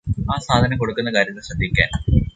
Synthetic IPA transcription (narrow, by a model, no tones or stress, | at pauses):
aːsaːd̪ʱɐnɐmko̞ɽukːunːɐkaːɾjɐt̪ːɨɕrɐd̪ʱːikʲːa̰ːn